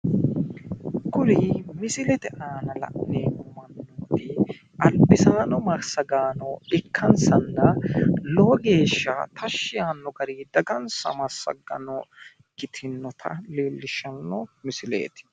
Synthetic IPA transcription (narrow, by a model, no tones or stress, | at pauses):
kʊɾimɪsɪlɛt̪ɛʔaːnɐlɐ̰ʔneːʊmɐnːoːt̪ɪ | ʔɐlbɪsaːnɔmɐɾsɐɡaːnɔɪkʰːɐnsɐnːɐloːɡe̞ːʃːat̪ʰɐʃːɪjaːnːɔɡɐɾiːd̪ɐɡɐnsɐ̰mɐsɐ̰ɡɐ̰nɔ | ɡɪt̪ʰɪnːɔt̪ʰɐ̰liːlːɪʃɐnːɔmɪsɪlḛːt̪ɪ̥